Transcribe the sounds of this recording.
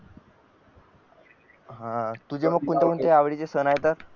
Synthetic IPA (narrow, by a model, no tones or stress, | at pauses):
ɦãt̪ud͡ʑeməɡ̚kuɳt̪ekuɳt̪eaʋɽit͡sesənaɦet̪aɾ